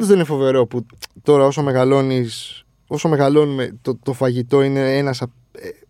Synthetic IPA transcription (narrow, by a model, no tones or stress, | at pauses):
ozðeinefo̞ve̞ɾo̞put̪o̞ɾɐo̞so̞me̞ɣɐlo̞nis | o̞so̞me̞ɣɐlo̞numet̪ot̪o̞fɐʝit̪o̞ine̞enɐsɐ | e